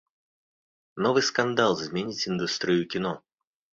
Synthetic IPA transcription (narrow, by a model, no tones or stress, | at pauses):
novɨjskɐnd̪alˠzmʲenʲɪtʲɪnd̪ust̪ɾʲɪjʊkʲɪno